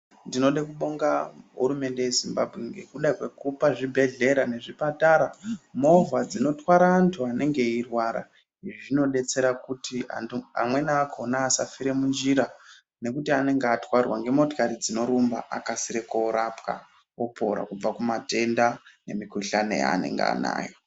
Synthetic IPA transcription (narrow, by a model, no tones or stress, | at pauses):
ndino̞ɗekuɓo̞ŋɡaɦṵɾume̞nde̞je̞zimbabʱɣeŋɡe̞kuɗakwe̞kupaʐibʱe̞ɮe̞ɾane̞ʐipataɾamo̞vad͡zino̞twaɾaːntʰuane̞ŋɡe̞irwaɾa̰ | iʐiʐino̞ɗe̞t͡se̞ɾakutia̰mwe̞naːkʰonaːsafiɾe̞mund͡ʒiɾa | ne̞kutiane̞ŋɡeatwarwaŋɡe̞mo̞tokaɾid͡zino̞ɾumba̰ʔa̰kasiɾekoɾapka̰ | opʰo̞̰ɾa̰kub͡vakumate̞ndane̞̰mikuɬanḛja̰ːne̞̰ŋɡea̰na̰ːjo